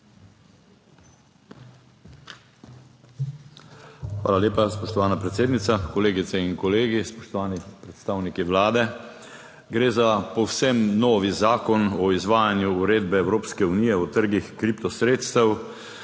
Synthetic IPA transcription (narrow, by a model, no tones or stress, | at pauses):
xʋa̰ːlaljeːpaspɔʃt̪ɔʋaːnapɾɛt̪seːd̪nit̪akɔleːɡit̪sɛinkɔleːɡispɔʃt̪ɔʋaːnipɾɛt̪st̪aːwnikiʋlaːd̪ɛ | ɡɾeːzapɔwsɛmnɔːʋizaːkɔnɔizʋaːjanjuːɾeːd̪bɛːwɾoːpskɛunijɛɔt̪əɾɡixkɾipt̪ɔsɾeːt̪st̪ɛw